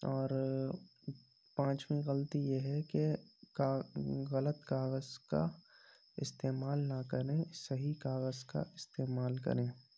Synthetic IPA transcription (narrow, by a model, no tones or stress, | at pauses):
ɔːɾ | pãːt͡ʃmĩɣəlt̪ijeɦɛke | ɣɐlət̪kaːɣəzka̰ | ɪst̪eːmaːlnakəɾẽsɐɦikaːɣəzka̰ʔɪst̪eːmaːlkɐ̰ɾẽː